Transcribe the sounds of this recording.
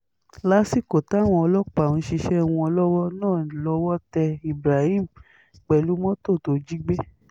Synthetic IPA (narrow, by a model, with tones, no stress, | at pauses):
la˦si˦˨ko˨ta˨˦˨w̃ɔ̃˧ɔ˧lɔ˦k͡pa˨ũ˨˧˦ʃi˧ʃɛ˦˧˨w̃ũ˧ɔ˧lɔ˦wɔ˦nãː˦˨lɔ˧˦wɔ˦tɛ˧i˨bɾa˨hi˦˨m̩˨ | k͡pɛ˨lu˨˦mɔ̃˦to˦˨to˧d͡ʒi˦ɡ͡be˦